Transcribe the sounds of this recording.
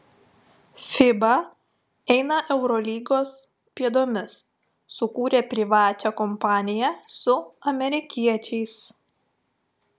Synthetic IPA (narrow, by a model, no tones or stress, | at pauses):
fʲɪbɐ | ɛɪnɐʔɛʊɾɔlʲiːɡoːs | pʲiɛd̪oːmʲɪsː | ʊkuːɾʲeːpʲɾʲɪʋɑːt͡ʃʲɛkɔmpɑːnʲɪjæsʊɐmʲɛɾʲɪkʲiɛt͡ʃʲɛɪs